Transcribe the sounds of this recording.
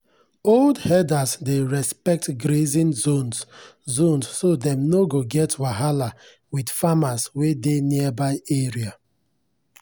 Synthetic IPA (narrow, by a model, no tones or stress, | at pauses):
oldhɛdasdeɹɛspɛk̚tɡɾezĩnzonzõnsːodɛ̃mnoɡoɡɛtwaɦala | widfamaswedenibaɪeɹia